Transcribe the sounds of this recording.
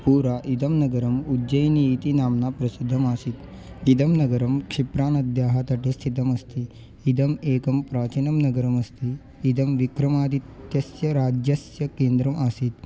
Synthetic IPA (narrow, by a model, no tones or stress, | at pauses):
puːɾaʔid̪ɐmnɐɡɐɾɐmud͡ʒɐjniit̪inaːmnapɾɐsid̪ʱːɐmaːsit̪ | id̪ɐmnɐɡɐɾɐmkʂipɾaːnɐd̪jaːɦɐt̪ɐʈest̪ʰit̪ɐmɐst̪ʰiː | d̪ɐmeːkɐmpɾaːt͡ʃinɐmnɐɡɐɾɐmɐst̪iː | d̪ɐmʋikɾɐmaːd̪it̪jɐsjɐɾaːd͡ʒjɐsjɐkeːnd̪ɾɐmaːsit̪̚